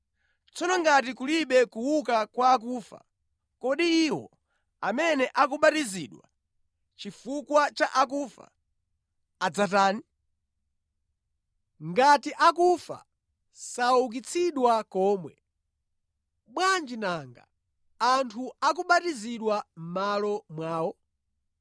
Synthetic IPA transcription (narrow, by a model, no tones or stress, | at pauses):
t͡sɔnɔŋɡat̬ikuliɓɛkuwukakwaːk̬uːfa̰ | kɔɗiːwɔ̰ | amɛnɛʔak̬uɓatiziːɗwa̰ | t͡ʃifukwat͡ʃaʔakuːfa̰ | d͡zataːni | ŋɡatiʔak̬ufa̰ | sauk̬it͡sʰiɗwakɔːmwɛ | ɓwand͡ʒinaŋɡa̰ | antʰuak̬uɓatiziɗwam̩malɔmwaːwɔ